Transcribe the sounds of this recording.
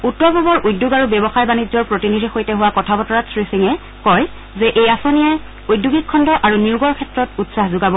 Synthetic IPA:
utːɔɹbɔbɔɹʔujdːuɡaɹubɛbɔxajbanizɔɹpɹotinidʱixojtɛɦʊwakɔtʰabɔtɔɹatsɹisiŋɛ | kɔj | zɛʔejasonijaj | ujdːuɡikʰːɔndɔʔaɹuniʊɡɔɹkʰɛtɹɔtutsahzʊɡabɔ

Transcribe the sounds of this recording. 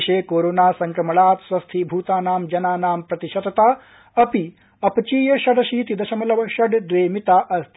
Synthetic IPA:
ɕeːkoːɾoːnaːsɐŋkɾɐmɐɭaːt̪sʋɐst̪ʰiːbʱuːt̪aːnaːmd͡ʒɐnaːnaːmpɾɐt̪iɕɐt̪ɐt̪aː | ɐpi | ɐpt͡ʃiːjɐɕɐɽɐɕiːt̪id̪ɐʃɐmɐlɐʋɕɐɖd̪ʋeːmit̪aːʔɐst̪

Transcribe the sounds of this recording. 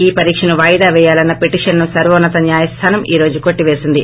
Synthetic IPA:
iːpɐɾiːkʂɐnuʋaːjd̪aːʋɛːjaːlɐnːɐpeʈiːʂɐnnusɐɾʋɐːnːɐt̪ɐnjaːjɐst̪ʰaːnɐmiːɾo̞ːd͡ʒuko̞ʈːiʋeːsind̪i

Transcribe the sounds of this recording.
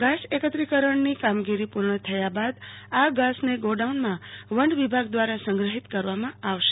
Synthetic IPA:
ɡasekət̪ɾikəɾəɳnikamɡiɾipuɾɳət̪ʰəjabad̪aɡasneɡoɖaunmãʋəɳɖʋibʱaɡd̪ʋaɾasəŋɡɾəɦit̪kəɾʋamãaʋʃe̥e

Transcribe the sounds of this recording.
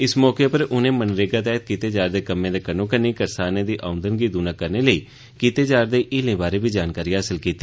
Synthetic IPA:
ɪsmɔːkeːpəɾʊnẽːmənɾeɡaːt̪ɛːt̪̚kiːt̪eːd͡ʒaːɾd̪eːkəmẽːd̪eːkənõːkəniːkəɾsaːnẽːd̪iːʔaːʊ̃nd̪ənɡiːd̪uːnãːkəɾneːləiː | kiːt̪eːd͡ʒaːɾd̪eːʔiːlẽːbaːɾeːbiːd͡ʒaːnkaːɾiːɦaːsɪlkiːt̪ːiː

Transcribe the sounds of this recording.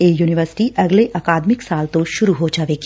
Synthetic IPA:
eːjuːnɪʋəɾsɪ̥ʈiʔɐɡleʔaːkaːd̪mɪksaːlt̪oʃʊɾuɦod͡ʒaːʋeɡi̥

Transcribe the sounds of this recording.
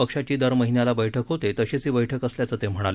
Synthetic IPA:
pəkʂat͡ɕiːd̪əɾməɦinjalabəjʈʰəkɦot̪et̪əɕet͡siːbəjʈʰəkəsljat͡səːt̪em̤əɽ̃ale

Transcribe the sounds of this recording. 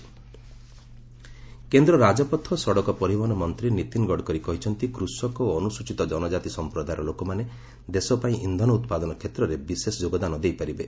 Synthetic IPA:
kend̪ɾɔɾad͡ʒɔpɔt̪ʰːɔsɔɽɔkɔpɔɾibɔnɔmɔnt̪ɾinit̪inɡɔɽkɔɾikɔɦit͡ʃʰɔnt̪ikɾusɔkɔoɔnusut͡ʃit̪ɔd͡ʒɔnɔd͡ʒat̪isɔmpɾɔd̪ajɾɔlokɔmane | d̪esɔpaĩʔind̪ʱɔnɔut̪pad̪ɔnɔkʰet̪ɾɔɾebisesɔd͡ʒoɡɔd̪anɔd̪ejpaɾibe

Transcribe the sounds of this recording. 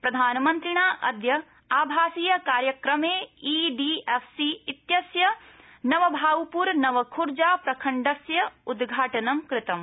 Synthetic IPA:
pɾɐd̪ʱaːnɐmɐnt̪ɾiɳaːʔɐd̪jɐ | aːbʱaːsiːjɐkaːɾjɐkɾɐmeːiːɖiːefʰsiit̪jɐsjɐ | nɐʋɐbʱaːwpuɾnɐʋɐkʰuɾd͡ʒaːpɾɐkʰɐɳɖɐsjɐud̪ɡʱaːʈɐnɐmkɾɪt̪ɐm

